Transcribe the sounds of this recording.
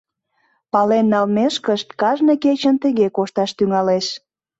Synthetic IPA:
pɑlenːɑlmeʃkəʃt̪kɑʒnəket͡ɕənt̪ə̆ɣekoʃt̪ɑʃt̪yŋɑleʃ

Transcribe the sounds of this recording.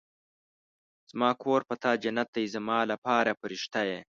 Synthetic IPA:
z̥mɑːkʰoːɾpat̪ɑːd͡ʒanat̪̚d̪ajzamɑːlapɑːɾapəɾɪʃt̪aje

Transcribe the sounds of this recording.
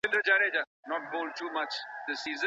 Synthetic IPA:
ɪ̃ldəd͡ʒaɾed͡ʒa | nɔʈ̚boːlɖ̚ʈuːmat͡ʃd̪əsiːz̃

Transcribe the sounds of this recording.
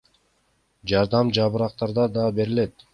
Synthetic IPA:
d͡ʒɑɾd̪ɑmd͡ʒɑβɯɾɑq̚t̪ɑɾd̪ɑd̪ɑbe̞ɾile̞t̪

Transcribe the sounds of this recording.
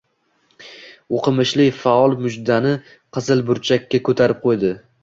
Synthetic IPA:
oqʰɨmɪʃlɪfaɒlˠmʊd͡ʒd̪anɪ | qʰɨzɪlˠbʊɾt͡ʃʰakʲːakʰɵt̪ʰaɾɪp̚qʰojd̪ɪ

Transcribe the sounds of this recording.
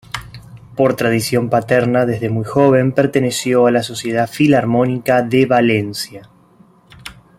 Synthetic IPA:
po̞ɾt̪ɾaðisjo̞mpat̪eɾnaðezðemujxo̞β̞e̞mpeɾt̪e̞ne̞sjo̞alaso̞sje̞ð̞afilaɾmo̞nikaðeβale̞nsja

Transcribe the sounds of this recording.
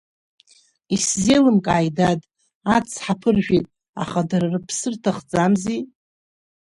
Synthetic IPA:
iszelɨmkʼajdadʼ | at͡sʰħapʰɨrʒᶣitʼ | a̰χadaɾrɨpʰsɨrtʰaχd͡zamzi

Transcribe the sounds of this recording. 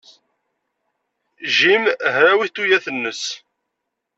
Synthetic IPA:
ʒimɦɾæwiθt̪ːujæθənːəs

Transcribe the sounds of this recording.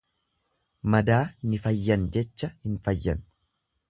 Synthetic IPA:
mɐd̪aːnɪfɐjːɐnd͡ʒɛt͡ʃːɐhɪnfɐjːɐ̰n

